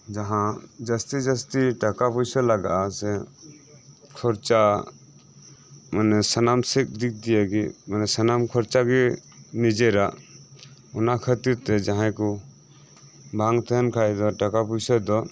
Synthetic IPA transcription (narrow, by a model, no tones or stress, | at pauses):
d͡ʒaɦãd͡ʒəst̪id͡ʒəst̪iʈakapujsɔlaɡa̰ʔasɛ | kʰɔɾt͡ʃa | manɛsənamsik̚d̪ik̚d̪ijaɡḭmanɛsanamkʰɔɾt͡ʃaɡinid͡ʒɛɾaʔ | ɔnakʰət̪ut̪ɛd͡ʒaɦãkɔ | bʱaŋt̪ʰɛɛnkʰajd̪ɔʈakapujsɔd̪ɔ